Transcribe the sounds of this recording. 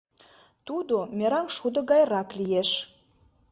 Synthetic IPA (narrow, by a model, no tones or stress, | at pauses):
t̪ud̪omʲeɾɑŋʃud̪ə̆ɡɑjɾɑklijeʃ